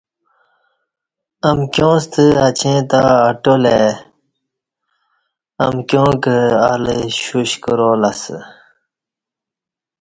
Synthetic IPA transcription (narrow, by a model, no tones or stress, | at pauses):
ɐmkjõːst̪ʰəɐt͡ɕʰẽːt̪aɐʈoleː | ɐmkʲjõːkəa̰ləɕuɕkəɾoːlɐsə̰